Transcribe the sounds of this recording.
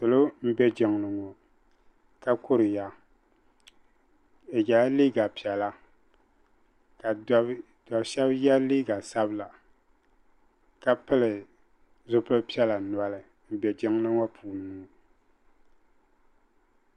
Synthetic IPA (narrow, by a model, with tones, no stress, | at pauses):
sɨ˨lo˦m̩˦bɛ˦d͡ʒɪ˨ŋ˨lɨ˨ŋɔ˨ | ka˦kʊ˦ɾɨ˨ja˨ | e˨ɡa˨˦liː˦ɡa˨pi˨ɛ˨la˦ | ka˨˦ | da˨bʃɛ˦bjɛ˦liː˦ɡa˨sa˦bɨ˦la˨ | ka˦pɨ˦lɨ˨ | zʊ˦pɨ˦lpi˦ɛ˦la˨nwa˨lɨ˨ | m̩˦bɛ˨d͡ʒɪ˦ŋ˦lɨ˦ŋɔ˦pʰuː˨n˨˦nuː˦˨